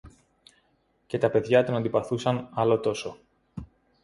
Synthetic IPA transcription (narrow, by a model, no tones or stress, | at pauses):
ce̞t̪ɐpe̞ðʝɐt̪o̞nɐnd̪ipɐθusɐnɐlo̞t̪o̞so̞